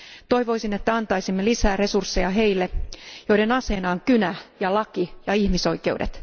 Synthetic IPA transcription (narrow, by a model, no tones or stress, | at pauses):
t̪o̞jʋo̞jsine̞t̪ːæɑnt̪ɑjsimːelisæːre̞sursːejɑɦe̞jlːejo̞ide̞nɑse̞ːnɑːŋkynæjɑlɑkijɑihmiso̞jke̞uwde̞̰t̪